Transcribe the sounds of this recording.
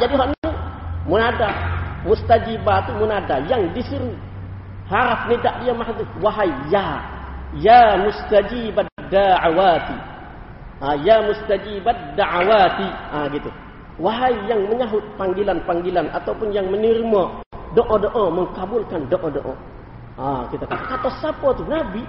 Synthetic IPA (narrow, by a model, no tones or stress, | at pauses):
d͡ʒadiɦoʔnit̪umunadamust̪ad͡ʒibat̪umunadajaŋdisuɾu | haɾap̚nidaʔdijamaɦat̪uwaɦaija | jamust̪ad͡ʒibad̪aʕawat̪i | ʔajamust̪ad͡ʒibad̪aʕawat̪iʔaɡit̪u | waɦaijaŋməɲaɦʊt̪̚paŋɡilanpaŋɡilanʔa̰t̪aupʊnjaŋmənirmɔdoʔɔdoʔɔməŋkabulkandoʔɔdo̰ʔɔ̰ | akit̪akat̪akat̪ɔsapɔt̪unabi